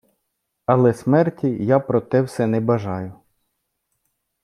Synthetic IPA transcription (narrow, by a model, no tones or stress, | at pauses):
ɐlˠɛsmɛrtʲijapɾɔt̪ɛwsɛnɛbɐʒɑjʊ